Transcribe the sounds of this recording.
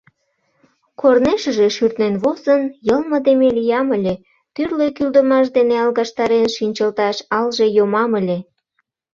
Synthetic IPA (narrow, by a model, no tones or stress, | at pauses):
kʰorneʃə̆ʒeʃyrt̪nenβozənjəlmə̆d̪emelijɑməlʲe | t̪yrlekyld̪əmɑʃ̬d̪eneɑlɣɑʃt̪ɑɾenʃinʲt͡ɕəlt̪ɑʃɑlʒejomɑməlʲe